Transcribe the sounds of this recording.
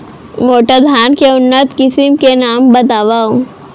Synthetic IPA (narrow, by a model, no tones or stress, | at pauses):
moʈəd̪ʱankeunːət̪kisimkenambət̪aʋaw